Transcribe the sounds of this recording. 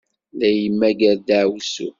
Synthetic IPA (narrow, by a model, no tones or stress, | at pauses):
læjəmːæɡəɾd̪aʕwsṵ